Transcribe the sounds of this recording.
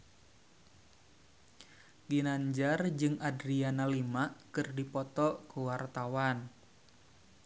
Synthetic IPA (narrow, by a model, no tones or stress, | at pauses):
ɡinaɲd͡ʒard͡ʒɨŋʔadɾianalimaʔkɨrdipɔt̪ɔkuwart̪awan